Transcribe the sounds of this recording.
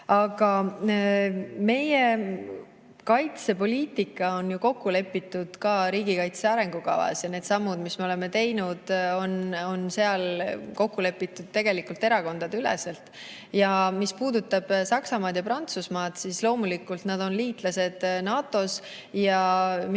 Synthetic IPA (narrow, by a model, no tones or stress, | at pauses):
ɑɡ̥ɑ | me̞je | kɑjt̪se̞po̞lʲiːt̪ːˑikːˑɑo̞njuko̞kːule̞pːit̪ːˑud̪̥kɑːɾiːɡikɑjt̪se̞ɑɾe̞ŋɡ̥ukɑ̰vɑ̰sjɑne̞d̪sɑmːud̪̥misme̞o̞le̞me̞t̪e̞jnud̪̥o̞no̞nse̞ɑlko̞kːule̞pːˑit̪ːˑud̪̥̚t̪e̞ɡ̥e̞likult̪e̞ɾɑko̞nd̪̥ɑd̪ylɛ̰selt̪ˑ | jɑmispuːd̪ut̪ːɑb̥sɑksɑmɑːd̪jɑpɾɑnt̪susmɑːd̪̥sislo̞ːmulikːult̪nɑd̪̥o̞nliːt̪ˑlɑse̞d̪̥nɑːt̪ːˑo̞s | jɑm